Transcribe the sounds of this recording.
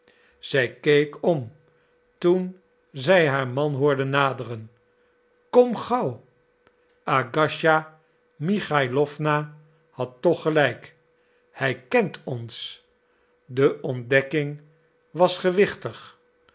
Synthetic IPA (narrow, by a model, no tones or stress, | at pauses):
z̥ɛjkejkʰɔm | tun | zɛjɦaːɹmɑnɦʊːɹdənːaːdərən | kɔmχɑw | aɡɑʃa | miχajlɔfna | hɑtːɔχəlɛjk | hɛjkɛntʰɔns | dəʔɔndɛkɪŋ | ʋɑsχəʋɪχtəχ